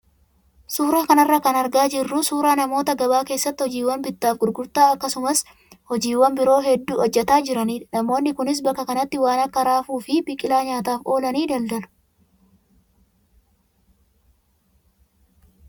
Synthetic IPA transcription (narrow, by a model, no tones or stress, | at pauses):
suːɾaːkɐnɐrːɐkɐnɐɾɡaːd͡ʒɪrːʊsuːɾaːnɐmo̞ːt̪ɐɡɐbaːke̞ːsːɐt̪ːɪhɔd͡ʒiːwːɐnbɪt̪ːaːfɡʊɾɡʊɾt̪aːɐkːɐsʊmɐs | hɔd͡ʒiːwːɐmbɪɾo̞ːɦɛd̪ːuːɔd͡ʒːɛt̪aːd͡ʒɪɾɐniːnɐmo̞ːnːɪkʊnɪs̬bɐkːɐkɐnɐt̪ːɪwaːnɐkːɐɾaːfuːfɪbɪkʼɪlaːɲaːt̪aːfʔo̞ːlɐniːd̪ɐld̪ɐlʊ̥